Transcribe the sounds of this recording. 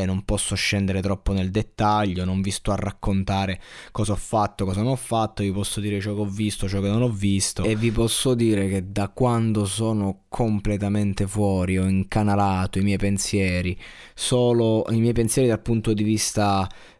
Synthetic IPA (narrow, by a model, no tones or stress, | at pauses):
nompɔsːoʃːɛnd̪eɾet̪ɾɔpːoneld̪et̪ːaʎːonoɱvist̪uarːakʰːont̪aːɾekɔːzaɔfːat̪ːokɔːzanonɔfːat̪ːovipɔsːod̪iːɾet͡ʃɔːkeɔvːist̪ot͡ʃɔkenːonɔvːist̪oevːipɔsːod̪iːɾek̟ed̪akwand̪osoːnokʰomplet̪ament̪efwɔːɾiɔiŋkanalaːt̪oimjɛjpensjɛːɾi | soːloimjɛjpensjɛːɾid̪alpunt̪od̪ivist̪a